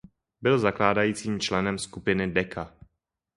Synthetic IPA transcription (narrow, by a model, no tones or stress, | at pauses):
bɪlzaklaːdajiːt͡siːmt͡ʃlɛnɛmskupɪnɪdɛkʰa